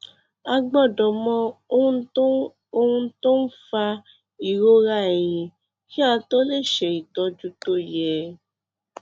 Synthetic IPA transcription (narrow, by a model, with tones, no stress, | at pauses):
a˧ɡ͡bɔ˦˨dɔ˨mɔ̃˧˦˧ | o˧hũ˧˦to˦n̩˦fa˧ | i˨ɾo˦ɾa˦˨ɛ˨j̃ĩ˨˧ | ki˦ã˧to˦le˦˨ʃɛ˨i˨tɔ˧d͡ʒu˦to˦˨jɛ˨